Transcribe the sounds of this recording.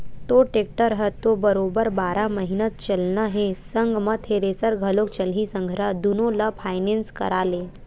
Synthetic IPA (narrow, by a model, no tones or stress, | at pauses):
t̪oʈek̚ʈəɾɦət̪ːobəɾoːbəɾbaːɾaməɦinət̪̚t͡ʃəlnəɦẽsəŋɡmət̪ʰeɾesəɾɡʱəlokt͡ʃəlɦisə̃ŋɡʱɾad̪unolapʰaːjnẽnskə̰ɾaːle